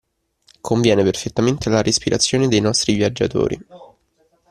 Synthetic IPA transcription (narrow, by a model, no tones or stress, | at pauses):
kʰoɱvjɛːneperfet̪ːament̪elaɾʔespiɾat̪sːjoːned̪ejnɔst̪ɾivjad͡ʒːa̰t̪o̰ːɾʔḭ